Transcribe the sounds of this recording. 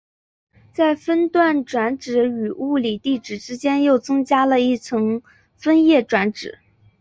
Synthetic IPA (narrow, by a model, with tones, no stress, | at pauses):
t͡sa˥˩ɪfə˥nt̪wa˥˩nʈ͡ʂwa˧˥nʈ͡ʂɻ̩˧˥y˨˩u˥˩li˨˩t̪i˥˩ʈ͡ʂɻ̩˨˩ʈ͡ʂɻ̩˥t͡ɕjɛ˥njo˥˩ʊt͡sɤ˥ŋt͡ɕja˥lə˧i˥˩t͡sʰɤ˧˥ŋ | fə˥njɛ˥˩ʈ͡ʂwa˧˥nʈ͡ʂɻ̩˨˩˦